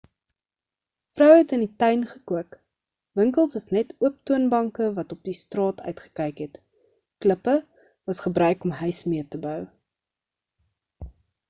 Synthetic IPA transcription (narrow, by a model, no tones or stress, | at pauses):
frœwɦɛtənitœɥnχəkuək | vəŋkəlˠsəsnɛtuəp̚tuənbɐŋkəvɐtɔp̚distrɑːtʰœ̰ɥtχə̥kɛjkɦɛt | kləpə | vɐsχəbɾœɥkɔmɦœɥsmiətəbœw